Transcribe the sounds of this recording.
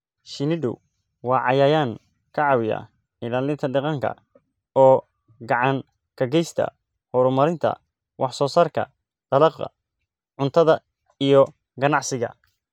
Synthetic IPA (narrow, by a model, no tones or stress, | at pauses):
ʃɪnɪɖʊ̰ | wɑːʕɑjaːjaːŋ | kʰɐʕɑwɪja̰ | ɪlaːlɪnt̪ʰɐɖɑqɑŋkʰɐ̰ | ɔː | ɡɑʕɑŋ | kʰɐɡɛjst̪ʰɐ̰ | hɔɾʊmɐɾɪnt̪ʰɐ̰ | wʔɑħsɔːsaːrkʰɐ̰ | d̪̥ɐlɐqɐ̰ | ʕʊnt̪ʰɐðɐ | ijɔ | ɡɐnɑʕsɪɣɐ̰